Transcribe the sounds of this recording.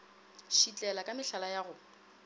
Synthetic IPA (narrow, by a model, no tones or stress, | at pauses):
ʃit͡ɬʼɛlakʼamɪɬalajaːɣʊ